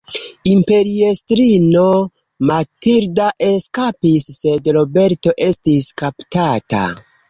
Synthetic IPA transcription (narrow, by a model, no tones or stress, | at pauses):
impe̞ɾiestɾino̞ | matiɾdaʔe̞skapisːe̞dɾo̞be̞ɾto̞ʔe̞stiskaptata̰